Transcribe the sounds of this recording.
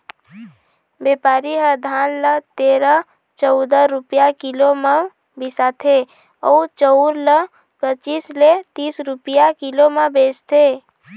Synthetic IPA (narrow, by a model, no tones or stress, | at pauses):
bepaːɾiɦəd̪ʱaːnlət̪eːɾə | t͡ʃəʊd̪əɾupjakilomə | bisat̪ʰe | ɔut͡ʃəʊɾlə | pət͡ʃiːslet̪iːsɾupijakiloməbest̪ʰe